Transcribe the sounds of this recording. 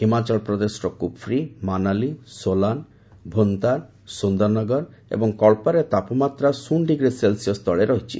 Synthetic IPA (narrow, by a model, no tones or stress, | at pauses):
himat͡ʃɔlpɾɔd̪esʈɔkupʰɾimanalisolan | bʱont̪aɾ | sund̪ɔɾnɔɡɔɾḛbɔŋkɔɭpaɾet̪apɔmat̪ɾasuɳɖiɡɾiselsijɔst̪ʰɔɭeɾɔɦit͡ʃʰḭ